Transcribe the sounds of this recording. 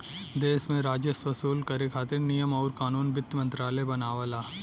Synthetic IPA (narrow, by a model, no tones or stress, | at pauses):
d̪eːsmẽɾaːd͡ʒəsʋɐsuːlkɐɾekʰaːt̪ɪɾnijəmɔːɾkaːnuːnbɪt̪ːmɐ̃nt̪ɾaːlebɐnaːʋəlaː